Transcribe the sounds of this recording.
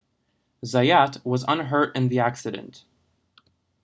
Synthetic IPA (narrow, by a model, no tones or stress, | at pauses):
zaɪætwʌzə̰̃nɦɜ˞ɾɨ̃nðiæksɨɾɨ̰̃nt